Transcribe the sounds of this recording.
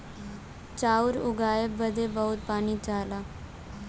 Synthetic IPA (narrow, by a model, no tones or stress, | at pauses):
t͡ʃaːʊɾʊɡaːəbʋəd̪ebəʊt̪̚paːniːt͡ʃaːlaː